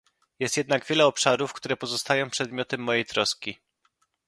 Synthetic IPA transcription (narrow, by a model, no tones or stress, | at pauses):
jɛst̪jɛd̪naɡvʲjɛlɛɔpʂaɾufkt̪uɾɛpɔzɔst̪ajɔ̃w̃pʂɛd̪mʲjɔt̪ɛmːɔjejt̪ɾɔskʲi